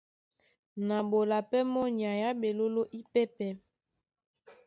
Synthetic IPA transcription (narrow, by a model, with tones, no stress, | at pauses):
na˨bo˨la˨pɛ˦mɔ˦ɲ˨a˨ja˦be˨lo˦lo˦ʔi˦pɛ˦pɛ˦